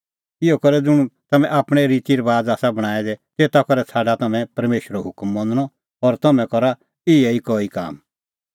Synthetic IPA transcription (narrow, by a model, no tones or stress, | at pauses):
ɪjɔkɔɾɛd͡zʊɽ̃ut̪ɐmɛ̃ʔaːpɽ̃ɛɾit̪iɾbaːd͡zaːsabɐɽ̃aːɛd̪ɛt̪eːt̪akɔɾɛt͡sʰaːɖat̪ɐmɛ̃pɐɾmeːʃəɾɔɦʊkmːɔ̃nd̪ɽ̃ɔ | ɔɾt̪ɐmɛ̃kɔɾa | ɪɛikɔːika̰ːm